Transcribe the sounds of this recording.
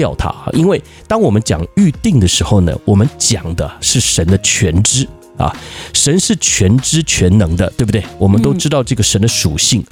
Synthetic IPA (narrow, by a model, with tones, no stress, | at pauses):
jɑ˥˩ʊt̪ʰa̰˥˧ʔi˥nwe˥˩ɪ | t̪ɑ˥ŋwɔ˨˩mə˦nt͡ɕjɑ̰˨˩ŋy˥˧t̪i˥˩ŋd̪ə˩ʂɻ̩˧˥xo˥˩ʊnə̰˩wɔ˨˩mə˦nt͡ɕjɑ̰˨˩ŋd̪ə˦ʂɻ̩˥˩ʂə˧˥nd̪ə˧t͡ɕʰɥɛ˧˥nʈ͡ʂɻ̩˥ | ɐ̰˨ʂə˧˥nʂɻ̩˥˩t͡ɕʰɥɛ˧˥nʈ͡ʂɻ̩˥t͡ɕʰɥɛ˧˥nnɤ˧˥ŋd̪ə˧t̪we˥˩bu˩t̪we˥˩ɪwɔ˨˩mə˦nt̪̬o˥ʊʈ͡ʂɻ̩˥t̪ɑ˥˧ʊʈ͡ʂɤ˥˩ɡə˩ʂə˧˥nd̪ə˧ʂu˨˩ɕi˥˩ŋ